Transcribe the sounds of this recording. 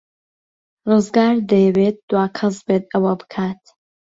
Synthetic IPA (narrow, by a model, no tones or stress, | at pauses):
ruzɡaːɾd̪ɐjɛwet̪̚d̪̥waːkʰɨzbeːt̪ɐwɐbɨ̥kʰaːt̪